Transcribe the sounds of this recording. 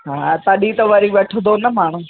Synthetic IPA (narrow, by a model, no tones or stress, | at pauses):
ɦãːt̪ɐɗit̪ɐʋɐɾiʋeʈʰənd̪onɐmaːɳ̤̃ũ